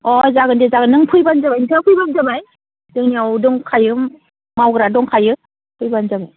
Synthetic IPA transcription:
ɔzaɡɯndezaɡɯnːɯŋpʰɯjbanzamajtʰapʰɯjbanzamaj | dɯŋniawdɔŋkʰajɯm | mawɡɾadɔŋkʰajɯ | pʰɯjbanzamaj

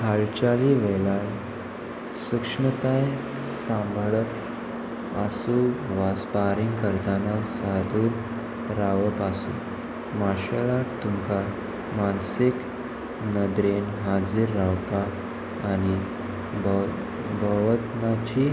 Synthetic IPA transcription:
haɭt͡ɕaliʋɛlan | sukʂɳət̪aj | sãmbʱəɭəp | asuʋaspaɾiŋkəɾt̪anasad̪uːɾ | ɾaʋəpasṵ | maɕəlaʈt̪umka | mansik | nəd̪ɾenɦad͡ziɾːawpaː | ni | b | bʱəʋət̪nat͡ɕi

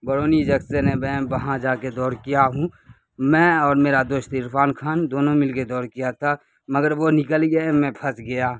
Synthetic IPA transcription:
bəɾoːnid͡ʒɐksenebɛbɐɦãd͡ʒaːked̪ɔːɾkijaɦũ | mɛ̃ɔːɾmeːɾad̪oːʃt̪ɪɾpʰaːnkʰaːnd̪oːnõmɪlked̪ɔːɾkijat̪ʰa | mɐɡəɾʋonɪkəlɡɐemɛ̃pʰɐsɡɐjaː

